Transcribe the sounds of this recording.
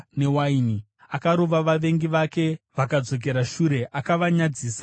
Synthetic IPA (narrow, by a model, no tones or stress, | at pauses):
ne̞waini | akaɾo̞ʋaʋaʋe̞ŋɡiʋake̞ʋakad͡zo̞k̬e̞ɾaʃuɾe̞ʔakaʋaɲad͡ziːsa